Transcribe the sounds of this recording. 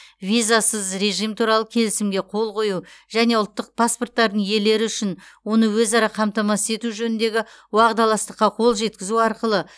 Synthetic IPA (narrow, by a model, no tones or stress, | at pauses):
vʲijzasəzɾe̞ʒijmt̪ʰuɾɑlˠəkʲʰe̞lɪsɪmɡʲe̞qʰo̞lˠqo̞juʒæne̞ʊlˠt̪ːəq̚pʰaspo̞rt̪ːɑɾd̪əɴje̞le̞ɾɪʏʃɪnwo̞nəwɵzɑɾɑqʰɑmt̪ɑmɑsə̥e̞t̪uʒɵnɪnd̪e̞ɡʲɪ | wɑʁd̪ɑlˠɑst̪əqːɑqʰo̞lˠʒe̞t̪̚kʲɪzuɑɾqəlˠə